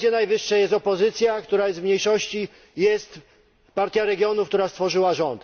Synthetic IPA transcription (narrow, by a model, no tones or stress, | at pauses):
jɛnajvɘʂːajɛst̪ɔpɔzɘt̪sʲjakt̪uɾajɛst̪vmɲejʂɔɕt͡ɕi | jɛst̪ | paɾt̪ʲjaɾɛɡʲjɔnufkt̪uɾast̪fɔʐɘwaʐɔnt̪